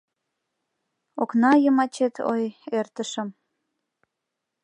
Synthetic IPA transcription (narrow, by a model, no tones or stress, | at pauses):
oknɑjəmɑt͡ɕet̪ʰo̰jert̪əʃə̆m